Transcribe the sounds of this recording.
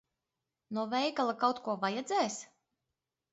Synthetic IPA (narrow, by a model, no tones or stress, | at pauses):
nɔvɛjɡalˠakawt̪kuɔvajɛd̪zʲɛːs